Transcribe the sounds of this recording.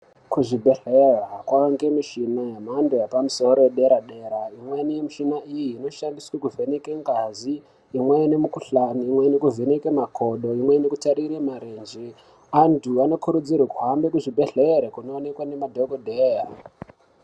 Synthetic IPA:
kuʐibʱe̞ɬerakwaaŋɡe̞miʃinajemandojapamuso̞ɾo̞jeɗe̞ɾaɗe̞ːɾaimwenijemiʃinaʔijiːno̞ʃandiswekuvʱenekeŋɡaziː | mwenemukuɬaniːmwenekuvʱenekemakʰo̞ɗo̞imwenekutaɾiɾemaɾend͡ʒe | antʰuano̞kuɾud͡zirwekuɦambe̞kuʐibʱe̞ɮeɾekuno̞ːnekwane̞madʱoɡodʱera

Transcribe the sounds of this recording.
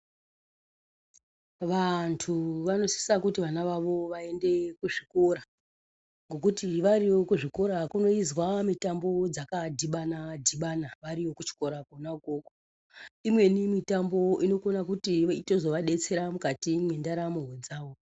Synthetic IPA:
ʋantʰuʋano̞si̥sakutiʋanaʋaʋo̞ʋae̞nde̞kuʐiko̞ɾa | ŋɡokutiʋaɾiʋo̞kuʐiko̞ɾakuno̞izwamitambo̞d͡zakadʱiɓanadʱiɓanaʋaɾiʋo̞kut͡ʃi̥ko̞ɾakonako̞ːko̥ | imwe̞nimitambo̞ino̞konakutiito̞zo̞ʋaɗe̞t͡se̞ɾamukatimwendaɾamuɦod͡zaːʋo̞

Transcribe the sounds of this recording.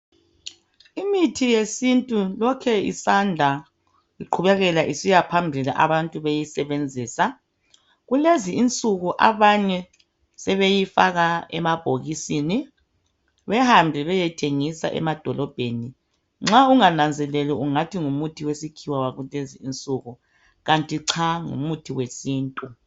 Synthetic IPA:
imitʰijesintʼulɔkʰɛḭsandʱa | iǃʰuβɛɣɛlaʔisijapʰambʱila̰ʔaβantʼuβejisɛβend͡zʱiːsa | ɣuleziint͡sʼuɣuʔa̰βaɲɛ | sɛβejifaɣaɛ̰mab̥ʱoɣisiːni | βɛhambʱiβɛjɛtʰeŋisa̰ʔɛ̰mad̥ʱɔlɔb̥ʱeni | ŋ͡ǁauŋanand͡zʱɛlɛliuŋatʰiŋumutʰiwesikʰiwawaɣuleziːnt͡sʼuɣu | ɣantʼiǀʰaŋṵmutʰiwesiːntʼu

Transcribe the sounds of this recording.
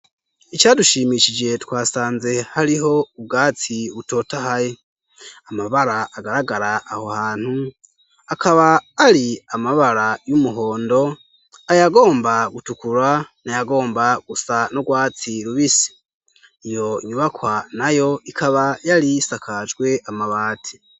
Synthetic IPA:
it͡ʃaːduʃiːmiʃid͡ʒe̞twaːsaːnze̞haɾiɦo̞ub̚ɡaːt͡siβuto̞ːtahaje | amaβaɾaʔːɡaɾaɡaɾaʔːho̞haːn̥hu | akʰaβaːɾiamaβaɾajumuɦo̞ːndo̞ | ajaɡo̞ːmbaɡutukuɾanajaɡo̞ːmbaɡ̥usanoɡwaːt͡siɾuβisi̥ | ijo̞ɲuβakwanajo̞ikʰaβajaɾisakʰad͡ʒɡwe̞ʔamaβaːti̥

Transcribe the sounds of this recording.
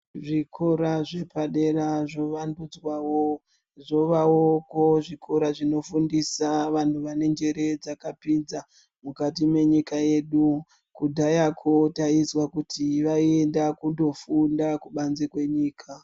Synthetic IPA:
ʐikʰo̞ɾaʐe̞paɗe̞ɾaʐo̞ʋandud͡zwawo | ʐo̞ʋaokoʐikʰo̞ɾaʐino̞fundisaʋan̤uʋane̞nd͡ʒe̞ɾe̞d͡zakapind͡za | mukatime̞ɲikaje̞ɗu | kudʱajakʰo̞taizwakutʰiʋaiendakundo̞fundakuɓanzekwe̞ɲiːkʰa

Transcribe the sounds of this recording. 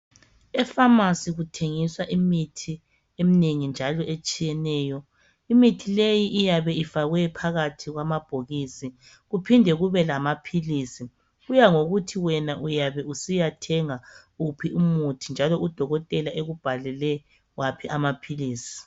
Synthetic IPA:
ɛfamasiɣutʰeŋiswaʔimitʰi | emineŋind͡ʒʱalɔʔet͡ʃʼijɛnɛːjɔ | imitʰilejiʔijaβɛifaɣwɛpʰaɣatʰiɣwamab̥ʱoɣisi | ɣupʰindʱɛɣuβɛlamapʰiliːsi | ɣujaŋoɣutʰiwɛnaʔujaβɛusijatʰɛŋa | upʰiumutʰind͡ʒʱalɔud̥ʱɔɣɔtʼɛlaʔeɣub̥ʱalɛlɛ | wapʰiʔamapʰiliːsi̥

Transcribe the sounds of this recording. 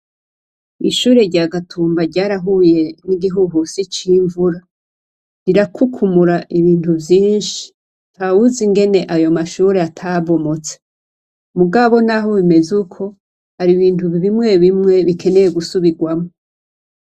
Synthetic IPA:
iʃuːɾe̞ɾɟaɡatʰuːmbaɾɟaːɾaɦuje̞niɡiɦuɦusit͡ʃiːɱvuɾa | ɾiɾakʰukʰumuɾaʔiβiːntubjiːɲʃi̥ | ntawuziŋɡe̞ne̞ʔajo̞maʃuːɾe̞atʰaβo̞mo̞t͡se̥ | muɡaβo̞naɦoβime̞zukʰo̞ | haɾiβiːntuβiβimŋe̞βimŋe̞βikʰe̞ne̞je̞ɡusuβiɡwamo

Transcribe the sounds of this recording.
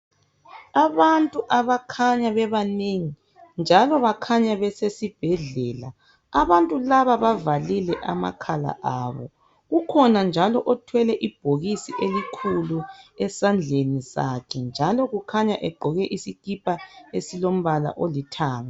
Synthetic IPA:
aβantʼuʔaβakʰaɲaβɛβaneŋi | nd͡ʒʱalɔβakʰaɲaβɛsesib̥ʱɛɮɛːla̰ | aβantʼulaβaβavalilɛʔa̰ma̰kʰala̰ʔaːβɔ̰ | ɣukʰɔnand͡ʒʱalɔʔɔtʰwɛlɛʔib̥ʱoɣisiʔelikʰuluɛsand͡ɮʱenisa̰kʰɛnd͡ʒʱalɔɣukʰaɲaʔɛɡ͡ǃʱɔɣɛʔisikipʰʼaesilom̩βala̰ʔolitʰaːma

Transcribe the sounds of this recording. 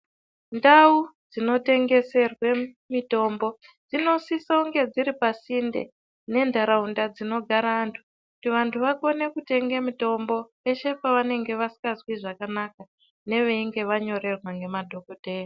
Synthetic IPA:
ndaud͡zino̞te̞ŋɡe̞se̞rwe | mito̞mbo̞ | d͡zino̞sisauŋɡe̞d͡ziɾipasindḛ | ne̞ndʱaɾaundad͡zino̞ɡʱaɾantʰu̥ | kkutiʋantʰuʋako̞ne̞kute̞ŋɡemito̞mbo̞ | e̞ʃe̞paʋane̞ŋɡe̞ʋasi̥kazwiʐakanaka | ne̞ʋeiŋɡe̞ʋaɲo̞ɾe̞rwaŋɡe̞madʱo̞kodʱe̞ːra

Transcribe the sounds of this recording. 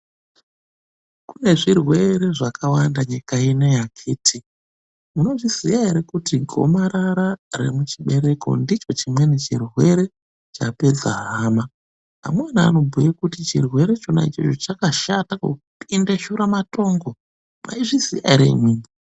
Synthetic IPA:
kune̞ʐirwe̞ɾe̞ʐakawandaɲikaine̞jakʰeːtʰi | muno̞ʐisijaeɾekutiɡʱo̞̰maɾaɾare̞̰mut͡ʃiɓe̞ɾe̞ko̞̰ndit͡ʃo̞t͡ʃimwe̞net͡ʃirwe̞ɾe̞ | t͡ʃape̞d͡za̰ɦaːma | a̰mwana̰ːno̞bʱujekutit͡ʃḭrwe̞ɾe̞t͡ʃona̰it͡ʃot͡ʃot͡ʃakaʃatako̰ | pindeʃuɾamato̞ːŋɡo̞ | ma̰iʐisḭja̰ɾḛimwiːmi

